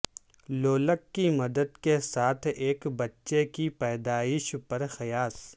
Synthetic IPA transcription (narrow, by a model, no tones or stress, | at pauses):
loːləkːimɐd̪əd̪kesaːt̪ʰeːkbɐtːʃekipɛːd̪aːɪʃpɐɾxɪjaːs